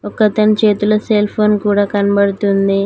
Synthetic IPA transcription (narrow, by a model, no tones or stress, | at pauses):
əkət̪əɳt͡ɕet̪uləselfonkuɽakanbəɽt̪und̪e